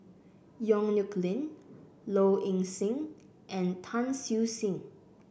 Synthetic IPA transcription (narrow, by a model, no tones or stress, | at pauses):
jɔ̃ŋnjukʰlĩn | loʔĩŋsĩŋ | ʔɛ̃ntʰãnsjusĩŋ